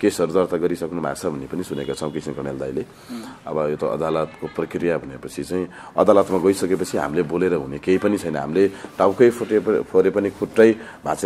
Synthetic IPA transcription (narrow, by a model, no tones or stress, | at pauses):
kesʌɾud̪ʌrt̪aɡʌɾisʌknumʱa̰t͡sʰʌbʱʌnːepʌnisunekat͡sʰʌ̃w̃kisimkʌɽ̃eld̪a̰jle | ʌbʌjot̪ʌʔʌ̰d̪alʌt̪koprʌkrijabʱʌnepʌt͡sʰit͡saĩ | ʌ̰d̪alʌt̪maɡʌjsʌkepʌt͡sʰiɦa̰mileboleɾʌɦunekejpʌnit͡sʰʌjnʌɦa̰mileʈawkʌjpʰpʰoɾepʌnikʰuʈːʌj | bʱãt͡s